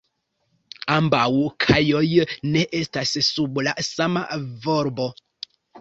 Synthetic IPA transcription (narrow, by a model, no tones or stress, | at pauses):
ambawuʔkʰajɔjənɛʔestasəsubulaʔsama̰vɔɾbɔ